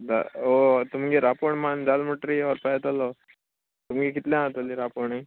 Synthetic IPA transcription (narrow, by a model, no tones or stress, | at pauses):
d͡za̰ot̪umɡiɾapoɳmand͡zalməʈɾiɔɾpajt̪alɔ | t̪umɡikit̪lãat̪oliɾapoɳi